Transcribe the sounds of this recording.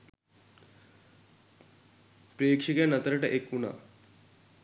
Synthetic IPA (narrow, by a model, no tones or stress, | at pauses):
pɾekʂikanɐt̪ɾɐʈaʔekːuna̰